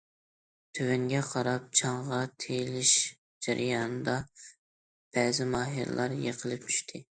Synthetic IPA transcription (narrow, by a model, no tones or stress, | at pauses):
t̪ʰøwɛŋɡʲɛqʰɑɾɑp̚t͡ʃʰɑɴʁɑt̪ʰejlɪʃ | d͡ʒæɾʔɪjɑnɨd̪ɑ | b̥ɛːzɪmɑːɦḭɾ̰lˠɑɾjeqʰəlˠɪp̚t͡ʃʰy̥ʃt̪ʰɪ